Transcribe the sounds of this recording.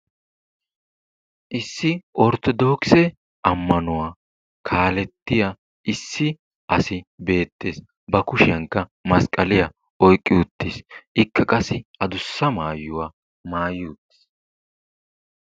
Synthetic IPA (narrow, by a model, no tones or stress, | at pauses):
ʔɪsːɪʔɔɾt̪ɔd̪oːksɛ | ʔɐmːɐnʊwaː | kʰaːlɛt̪ːɪja | ʔɪsːɪ | ʔɐsɪbe̞ːt̪ːeːs | bɐkʊʃɪjɐŋkːɐmɐskʼɐlɪjɐ | ʔɔjkʼːɪʊt̪ːɪsʔɪkʰːɐkʼɐsɪɐd̪ʊsːɐmaːjʊwaː | maːjuːt̪ːɪ̥s